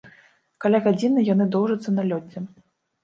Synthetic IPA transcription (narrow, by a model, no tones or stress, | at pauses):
kalʲaɣad͡zʲinɨjanɨd̪ɔwʐɐt̪sːɐnalʲɔd͡zʲːɛ